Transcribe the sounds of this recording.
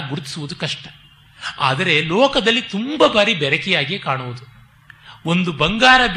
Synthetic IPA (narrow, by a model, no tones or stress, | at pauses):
ɡuɾut̪i̥suʋud̪ukɐʂʈɐ | a̰ːd̪ɐɾe̞lɔːkɐd̪ɐlːit̪umbɐbaːɾibɛɾɐkɛjaːɡiekaːɳuʋud̪u | o̞nd̪ubɐŋɡaːɾɐb